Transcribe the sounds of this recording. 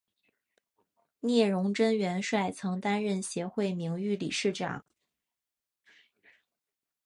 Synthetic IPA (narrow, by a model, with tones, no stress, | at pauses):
njɛ˥˩ɻʊ˧˥ŋʈ͡ʂə˥nɥɛ˧˥nʂwa˥˩ɪt͡sʰɤ˧˥ŋt̪a˥nɻə˥˩nɕjɛ˧˥xwe˥˩ɪmi˧˥ŋy˥˩lḭ˨˩ʂɻ̩˥˩ʈ͡ʂɑ̰˨˩˦ŋ